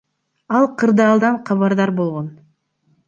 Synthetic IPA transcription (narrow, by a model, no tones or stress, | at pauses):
ɑlˠqʰɯɾd̪ɑːlˠd̪ɑɴqʰɑβɑɾd̪ɑɾbo̞lˠʁo̞n